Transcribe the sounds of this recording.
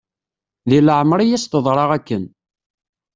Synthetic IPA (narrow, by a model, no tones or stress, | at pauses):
ðiləʕmɾˤijæst̪əðˤɾˤɑʁækːən